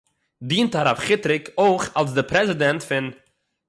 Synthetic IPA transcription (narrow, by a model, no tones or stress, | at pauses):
diːntaɾafχɪtɾɪkʰoɪχalˠs̬dɪpɾɛzɪdɛntfɪn